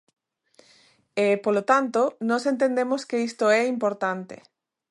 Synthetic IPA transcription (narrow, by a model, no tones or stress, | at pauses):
epolot̪ant̪onɔ̃sent̪end̪emoskeist̪oɛimpoɾt̪ant̪ḛ